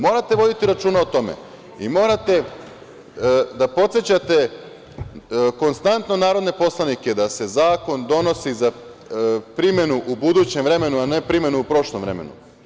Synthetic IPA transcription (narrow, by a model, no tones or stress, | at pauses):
mo̞ːɾat̪e̞ʋo̞d̪it̪iɾat͡ʃuːnaot̪o̞mḛ | imo̞ːɾat̪e̞ | d̪apo̞t̪set͡ɕat̪e̞ | ko̞nst̪ant̪no̞naːɾo̞d̪ne̞po̞slˠanike̞d̪ase̞zaːko̞nd̪o̞no̞siza | pɾimje̞nuʔubud̪uːt͡ɕe̞mʋɾe̞me̞nuane̞pɾimje̞nuupɾo̞ʃlˠomʋɾe̞̰mḛnṵ